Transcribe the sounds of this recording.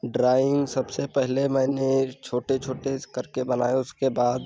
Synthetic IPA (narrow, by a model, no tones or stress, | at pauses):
ɖɾaːɪ̃ŋɡsɐbsepɛɦlemɛ̃ːnet͡ʃʰoːʈet͡ʃʰoːʈekɐɾkebɐna̰ːjeʊskebaːd̪